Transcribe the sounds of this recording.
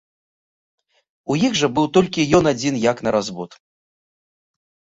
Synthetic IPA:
ujiɣʐɐbɨwt̪ɔlʲkʲijɔnad͡zʲinjaknɐɾazbɔt̪

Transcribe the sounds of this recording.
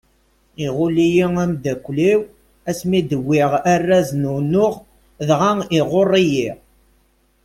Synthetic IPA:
iʁʊlːijiŋæmd̪ækʷːliw | æsmid̪əwːɪʁærːæznunʊʁ | ðʁaŋɪʁorˤːijiʁ

